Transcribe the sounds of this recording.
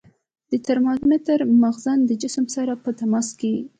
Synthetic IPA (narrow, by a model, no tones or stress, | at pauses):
d̪̥ət̪aɾmɑzmɪt̪əɾmaɣzand̪əd͡ʒɪsəmsaɾapət̪amɑske